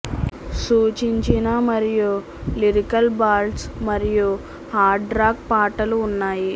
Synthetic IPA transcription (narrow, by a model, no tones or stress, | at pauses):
suːt͡ʃiɲt͡ʃinamɐɾiju | liɾikɐlbaːlsmɐɾiju | haːɾɖɖɾaːk̚paːʈɐluːnːaːji